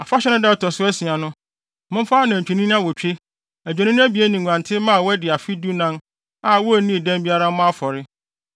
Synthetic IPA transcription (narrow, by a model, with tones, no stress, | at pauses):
a˨fa˦ɕɛ˦nɪ̃˦dɛ˦˨tʰɔ˨sʊ˦æ˦si˨a˨nʊ̃˦ | mʊ̃˦fa˦nã˨t͡ɕᶣʰi˨nĩ˦n˦ã˦wɔ˨t͡ɕᶣe˦ | æ˨d͡ʑᶣɛ˨nɪ̃˦n˦æ˦bi˨e˦nĩ˨ã˨ntʰɪ˦mã˦a˨wɛ˦dɪ˨a˨fi˦du˦nã˦n | a˨wɔ˦æ˨nĩ˦˨dæ̃˦m˦bi˦a˦ɾa˦mʊ̃˦a˦fɔ˨ɾɪ˦